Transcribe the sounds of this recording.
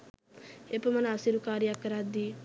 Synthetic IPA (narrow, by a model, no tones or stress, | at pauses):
epəmɐnasiɾukaːɾjakːəɾad̪i